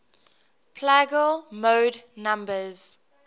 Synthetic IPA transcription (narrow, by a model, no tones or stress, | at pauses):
pʰlæɡəlmoːdnãmbəz̥